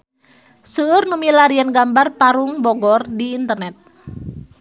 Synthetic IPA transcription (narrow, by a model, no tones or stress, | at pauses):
səːrnumilaɾianɡambarpaɾuŋbɔɡɔrdiːnt̪ərnɛt̪̚